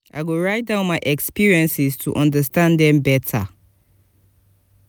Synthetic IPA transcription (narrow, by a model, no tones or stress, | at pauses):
ʔa̰ɪɡoɹaɪt̚dãʊ̃nmaɪʔɛkspiɹiɛ̃nsɪstʰuʔɔ̃ndəstãndɛ̃mbɛtʰa̰